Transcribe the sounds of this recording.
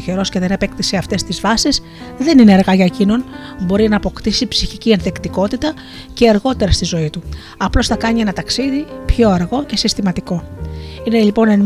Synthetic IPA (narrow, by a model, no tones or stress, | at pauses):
çe̞ɾo̞sceðe̞nepe̞kt̪iseɐft̪e̞st̪izvɐsis | ðe̞nineːɾɣɐʝɐecino̞n | bo̞ɾinɐːpo̞kt̪isipsiçicie̞nθekt̪iko̞t̪it̪ɐ | ce̞ːɾɣo̞t̪e̞ɾɐst̪izo̞it̪u | ɐplo̞sθɐkɐɲie̞nɐt̪ɐksiðipço̞ɐɾɣo̞ce̞sist̪imɐt̪iko̞ine̞ʎipo̞nen